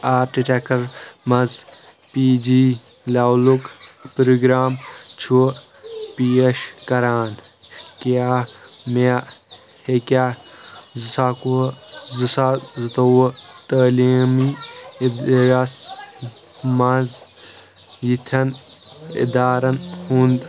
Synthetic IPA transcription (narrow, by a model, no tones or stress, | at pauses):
aːɾʈiʈekɐɾmɐz | piːd͡ʒiː | lawlukpɾuɡɾaːmt͡ʃʰu | piɐʃkɐɾaːn | kaːmea | hekʲaːzisakuzɨsazɨt̪ɐwɐt̪əːliːmid̪ɾas | mɐz | jit̪ʰɐnḭd̪aːɾɐnhund̪